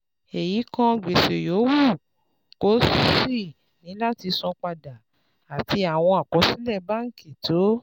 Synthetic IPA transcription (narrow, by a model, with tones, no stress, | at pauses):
e˨ji˨˦kã˧ɡ͡be˨ʃe˨jo˨˦wu˦˨ | ko˨˦su˦si˦˨ | nĩ˨˦la˦ti˧sɔ̃˧k͡pa˧da˨ | a˨tʰi˧a˨w̃ɔ̃˧a˨kɔ˨˧˦si˦lɛ˦˨ba˦˨ŋ̩˦ki˨to˨˦